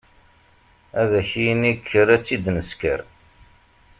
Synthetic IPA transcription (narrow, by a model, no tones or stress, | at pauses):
æðæçijənikʰːəɾæt͡sːid̪nəskə̰ɾ